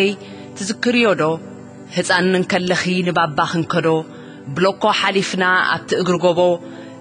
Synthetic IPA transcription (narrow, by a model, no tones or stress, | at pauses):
ɐj | t̪ʰɨzɨkːɨɾijod̪o̞ | hɨsʼanːɨŋkʰɐlːɐxinɨbabːaxɨŋkʰɐd̪o̞ | bɨlokːo̞ħalifnaa̰βt̪ʰiʔɨɡɾɨɡoβo̞